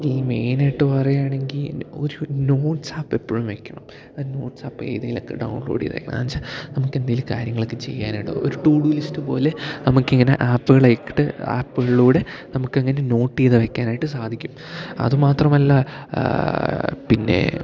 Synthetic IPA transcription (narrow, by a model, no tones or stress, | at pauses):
ŋɡilmeːnejʈːɨpɐrɐjaːɳe̞ŋɡilo̞̰ɾuno̞ːʈsaːpːepːoɻumʋe̞kʲːɐɳɐm | oɾuno̞ːʈsaːpːḛːjðɐjilo̰kːḛɖɐ̰wɳloːɽḭðʋḛjkːɐ̰ɳ̰namsanɐmukːe̞nd̪ɐjilkaːɾjɐŋːɐɭɨkːɨt͡ɕe̞̰jːaːniɽɨ̰oɾuʈuːɽulistɨpo̞̰ːle̞nɐmukːɐŋːɐne̞̰ʔaːpːuɣɐɭɐjkːi̥ʈːɨa̰ːpːuɣɐɭɭuːɽe̞ | nɐmukːɐŋːɐne̞no̞ːʈːijðɨʋekʲːaːnaːjiʈːɨsaːd̪ʱikʲːum | ɐ̰ðɨmaːt̪rɐmɐlːɐ | pinːe̞̰